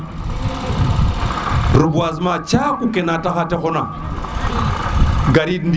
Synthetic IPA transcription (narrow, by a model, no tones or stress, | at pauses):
ɾubuazmat͡ʃakukenataxatexona | ɡaɾidnd